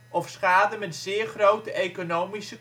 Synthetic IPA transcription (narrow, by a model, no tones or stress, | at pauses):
ɔfsχaːdəmɛtz̥ɪːɹχrowtəʔejkonowmisə